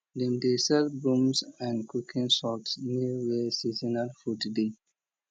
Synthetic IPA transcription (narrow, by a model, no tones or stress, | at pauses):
dɛ̃mdesɛlbɹũmsãnkukʰĩnsɔtsniwesizinalfutde